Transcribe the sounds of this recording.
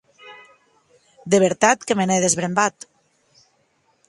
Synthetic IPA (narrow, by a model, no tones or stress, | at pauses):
d̪eβeɾt̪at̪kemenɛðezβɾembat̪